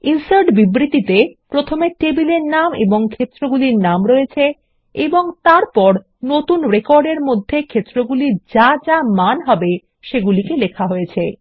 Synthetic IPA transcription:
insoɾɖbibɾit̪it̪epɾot̪ʰomeʈebileɾnamḛboŋkʰet̪ːɾoɡuliɾnamɾoet͡ɕʰe | eboŋt̪aɾpɔɾ | not̪unɾekɔɾɖeɾmod̪ʱːekʰet̪ːɾoɡulid͡ʑad͡ʑamanɦɔbe | ʃeɡulikelekʰaɦoet͡ɕʰe

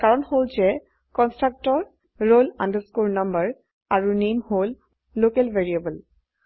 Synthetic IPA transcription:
kaɹɔnholzɛ | kɔnstɹak̚tɔɹ | ɹolãndəskoɹnambəɹ | aɹunemholː | okɛlveɹiebəl

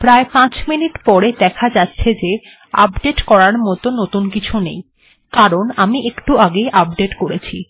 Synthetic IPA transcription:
pɾaepãt͡ɕminiʈpɔɾed̪ɛkʰad͡ʑatːɕʰed͡ʑe | a̰bɖeʈkɔɾaɾmɔt̪onot̪unkit͡ɕʰunḛj | kaɾonamiʔekʈuaɡeʔab̚ɖeʈkoɾet͡ɕʰi

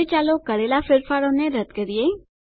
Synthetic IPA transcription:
it͡ʃalokəɾelafɪɾfaɾoneɾət̪kəɾie

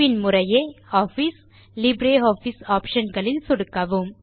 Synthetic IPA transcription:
ɪnmʊrɐjeːaːfis | lɪbɾeːoːfisaːpʂɐnɡɐɭɪlsɔɽɯkːɐʋɯm

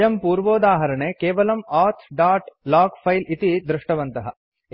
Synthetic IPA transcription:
jɐmpuːɾʋoːd̪aːɦɐɾɐɳeːkeːʋɐlɐmaːɾt̪ʰɖaːʈlaːkpʰɐjlit̪id̪ɾɪʂʈɐʋɐnt̪ɐɦɐ

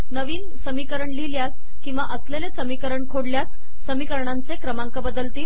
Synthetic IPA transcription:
nəʋiːn | səmikəɾəɳliljas | kĩw̃ʋaʔəslelesəmikəɾəɳkʰoɽljasː | əmikəɾɳant͡sekɾəmaŋkəbəd̪əlt̪iːl

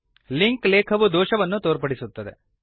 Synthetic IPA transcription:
liŋkleːkʰɐʋud̪oːʃɐʋɐnːut̪oːɾpɐɽisut̪ːɐd̪e̞̰

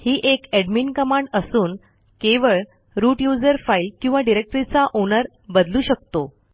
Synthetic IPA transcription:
hiːʔekeɖminkəmaɳɖəsuːn | keʋəɭ | ɾuːʈjud͡zəɾfailkĩw̃ʋaɖiɾek̚ʈɾit͡saʔonəɾ | bəd̪luːɕək̚t̪o

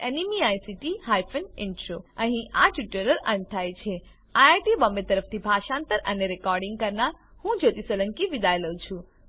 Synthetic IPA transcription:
enimiajsiʈiɦajfʰənɪnʈɾoəɦĩʔaʈuʈələɾə̰̃ɳ̚t̪ʰajt͡ʃʰe | aaʈibəmbet̪əɾəft̪ʰibʱaʃãnt̪əɾʔəneɾekɔɾɖĩŋɡ̚kəɾnaɾ | hũd͡ʒot̪isələ̃ŋkiʋid̪ajləwt͡ʃʰũ

